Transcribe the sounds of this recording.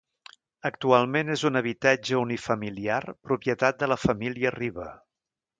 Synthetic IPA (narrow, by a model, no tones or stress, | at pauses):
ək̚t̪ualˠmenezunəβ̞it̪ad͡ʒəunifəmiliarpɾupjət̪at̪̚d̪ələfəmiliəriβə